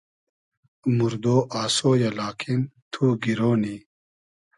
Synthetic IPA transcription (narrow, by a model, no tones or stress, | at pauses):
muɾd̪oːʔaːsoːjɐlaːkʰimt̪ʰuːɡiɾoːni